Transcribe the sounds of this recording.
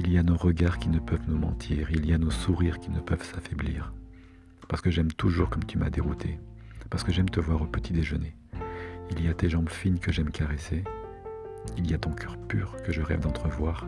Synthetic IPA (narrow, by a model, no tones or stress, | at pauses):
ilijanoʁəɡaʁkʲinəpœvnumɑ̰̃t̪ʰiːʁilijanosuʁiʁkʲinəpœvsafɛbliːʁ | paʁsə̥kəʒɛmt̪uʒuʁkɔmt̪ʰyma̰d̪eʁut̪ʰe | paʁsə̥kəʒɛmt̪əvwaʁopət̪ʰid̪eʒəne | iljat̪eʒɑ̃bfinkəʒɛmkʰaʁese | ilijat̪ɔ̃kʰœʁpyːʁkəʒəʁɛ̰vd̪ɑ̃t̪χəvwaːʁ